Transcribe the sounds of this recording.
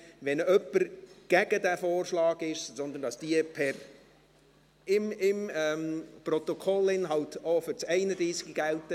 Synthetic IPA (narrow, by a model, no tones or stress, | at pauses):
ʋɛnœpːəɾɡ̥æɡ̥ədæfoːrʃlɑːɡɪʃsɔndəndɑsd̥iəpʰɛɾ | ɪmɪmɛmprɔt̪ɔkʰɔlɪnɦɑltofʏɾt͡sɛɪnədɾiːsɡ̥iɡ̥æltə